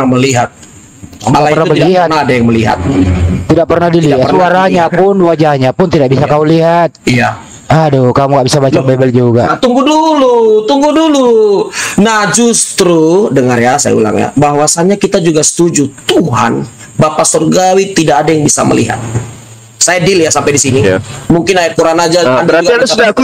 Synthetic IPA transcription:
aməliɦat̪̚ | aalaipərnaəiɦanadajaŋməliɦa̰t̪̚t̪idaʔ̚pərnahdiliasuaɾaɲapʊnwad͡ʒahɲapʊnt̪idak̚bisakauliɦat̪̚ija | adokamuŋɡaʔbisabad͡ʒt͡ʃakbebɛld͡ʒuɡat̪uŋɡudulut̪uŋɡudulu | nahd͡ʒust̪ɾudəŋərjasa̰ja̰ṵla̰ŋja̰baɦwasaɲakit̪ad͡ʒuɡasə̥t̪ud͡ʒut̪uɦa̰n | bapasɔrɡawit̪idakːdajaŋbisa̰mə̰lḭɦa̰t̪̚ | sajadiljasampajdisinijmuŋkɪnaɪkuɾanad͡ʒaaəɾauɡ̪iadsudak

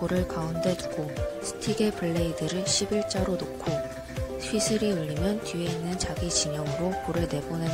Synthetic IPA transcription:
oɾɯɭkaunde̞duɡosʰɯ̥tʰiɡe̞pʰɯɭːeidɯɾɯɭɕʰibiɭt͡ɕ͈aɾonokʰo | pʰɥisʰɯɾiɯʎːimjʌntie̞inːɯnt͡ɕaɡit͡ɕimjʌŋɯɾokoɾɯɭne̞bone

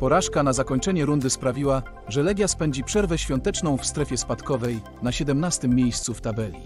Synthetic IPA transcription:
pɔɾaʂkanazakɔɲt͡ʂɛɲɛɾund̪ɘspɾavʲiwa | ʐɛlɛɡʲjaspɛɲd͡ʑipʂɛɾvɛɕfʲjɔnt̪ɛt͡ʂnɔ̃w̃fst̪ɾɛfʲjɛspat̪kɔvɛj | naɕɛd̪ɛmnast̪ɘmʲːjejst̪suft̪abɛlʲi

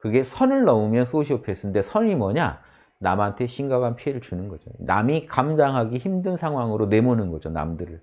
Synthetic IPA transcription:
kɯɡe̞sʰʌnɯɭnʌmumjʌns͈oɕʰiopʰes͈ɯnde̞sʰʌnimʌɲa̰ | namantʰe̞ɕʰinɡaɡanpʰie̞ɾɯɭt͡ɕunɯnɡʌd͡ʑo̰na̰mikamdaŋɦaɡiçimdɯnsʰaŋɦwaŋɯɾone̞monɯnɡʌd͡ʑona̰mdɯɾɯɭ

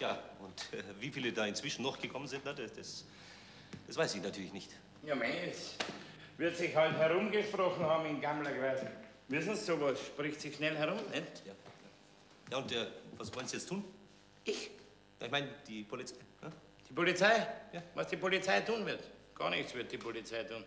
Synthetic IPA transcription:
jaːʔʊntʔɛviːfiːlədaːɪnt͡sv̥ɪʃn̩ːɔχɡ̥əkʰɔmənzɪntnadd̥as | d̥asv̥aɪsɪçnatʰyɐlɪçnɪçt | jamɛns | vɪɐtsɪçhalthɛʁʊmɡəʃpʁɔxn̩hɑːbm̩ɪnɡamlɐɡʁaːz | vɪsn̩ssoːvosʃpʁɪçtsiʃnɛlhɛʁʊmɛntjaːjaː | jaːʊntɛːvasv̥ɔlənzijɛt͡stʰuːn | ʔɪç | ja̰ːɪçmaɪnd̥iːpʰolit͡saɪna | d̥iːpolit͡saɪjaːvɑsd̥iːpolit͡saɪtʰuːnvɪɐtɡ̥ɑ̰ːɐnɪçt͡sv̥ɪɐt̚d̥iːpʰolit͡saɪtʰuːn

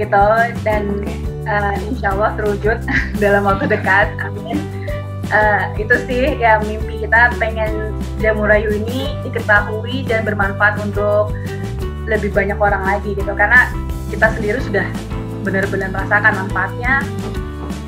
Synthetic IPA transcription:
ɡit̪udanʔəinʃalːɑht̪ərud͡ʒʊt̪̚dalamwak̚t̪udəkat̪̚amiɲa | ʔəit̪usɪhjamimpikit̪apeŋɛn | d͡ʒamuɾajuini | dikət̪aɦuidanbərmanfaat̪unt̪ʊk̚ | ləbɪhbaɲakoɾaŋlaɡiɡit̪ukarna | kit̪asəndiɾisudah | bənərbənərmrasakanmanfaːt̪̚ɲa

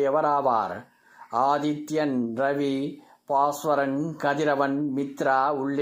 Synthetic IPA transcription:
jɐʋɐɾaːʋa̰ːɾ | aːðɪt̪ːjɐnɾɐʋi | paːsʋɐɾɐnkɐðɪɾɐʋɐnmɪt̪ɾaːʊɭː

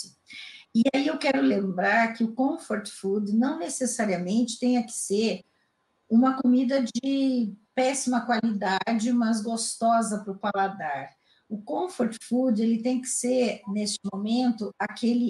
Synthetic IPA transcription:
ɪaiewkɛɾʊlẽmbɾaɾkɪʊkõfoɾt͡ʃfud͡ʒɪnɐ̃w̃nesesaɾiɐmẽnt͡ʃɪ̥t̪ẽj̃ɐkɪ̥seɾ | ũmɐkomid̪ɐd͡ʒɪpɛsimɐkwalid̪ad͡ʒɪmɐzɡost̪ɔzɐpɾʊpalad̪aɾ | ʊkõfoɾt͡ʃfud͡ʒelɪt̪ẽj̃kɪ̥seɾnest͡ʃɪmomẽnt̪ʊakelɪ

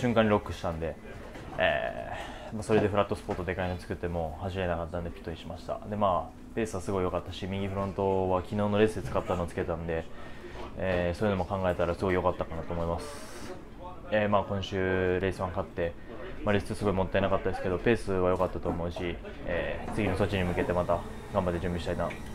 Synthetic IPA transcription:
ɕɨ̃ŋkãɲːʲiɾo̞kːɯ̟ɕi̥t̪ãnd̪e̞ | ḛː | maso̞ɾe̞d̪e̞ɸɯɾat̪ːosɨ̥pot̪ːod̪e̞kaiɲot͡sɨ̥kɯ̟t̪ːe̞mo̞haʑime̞nakat̪ːãnd̪epʲi̥t̪ːoɲʲiɕimaɕi̥t̪a̰d̪e̞maː | pe̞ːsɨβasɨɡo̞ijo̞kat̪ːaɕimʲiɡʲiɸɯ̟ɾõ̞nt̪o̞βakʲino̞ːno̞ɾe̞sɨd̪et͡sɨ̥kat̪ːano̞ːt͡sɨ̥ke̞t̪ãnd̪e̞ | eːsoːi̟no̞mo̞kãŋɡae̞t̪aɾasɨɡo̞ijokat̪ːakanat̪o̞ːmo̞imasɨ̥ | emaːkõ̞ɕɨːɾe̞sɨβãŋkat̪ːe̞ | maɾesɨsɨɡo̞imo̞t̪ːaenakat̪ːad̪esɨ̥ke̞d̪o̞pe̞ːsɨβajo̞kat̪ːat̪o̞ːmo̞ɯ̟ɕi | eːt͡sɨɡʲino̞so̞t͡ɕːiɲ̟imɯ̟ke̞t̪e̞mat̪a | ɡãmbat̪ːe̞ʑɨ̃mbʲiɕi̥t̪aina

